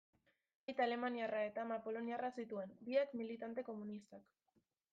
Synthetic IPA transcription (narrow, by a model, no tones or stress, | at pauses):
ajt̪ale̞maniarae̞t̪amapo̞lo̞niarasit̪ue̞nbiakmilit̪ant̪e̞ko̞munist̪ak